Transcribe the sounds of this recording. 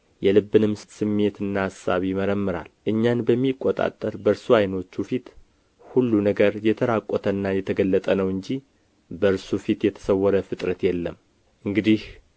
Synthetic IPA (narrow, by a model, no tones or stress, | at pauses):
jɛlɨbːɨnɨmsɨmːe̞t̪ɨnːaasa̰βjɪməɾəmːɨɾa̰lʔɨɲːanbəmːikʼːot̪ʼa̰t̪ʼːəɾbəɾsuajno̞t͡ʃːufit̪ | hulːunəɡəɾjɛt̪ʰəɾakʼːɔt̪ʰənːajɛt̪ʰəɡəlːət̪ʼənəwɨɲd͡ʒi | bəɾsufit̪jɛt̪ʰə̥səwːɔɾəfɨt̪ʼɾət̪jɛlːəm | ʔɨŋɡɨd̪ih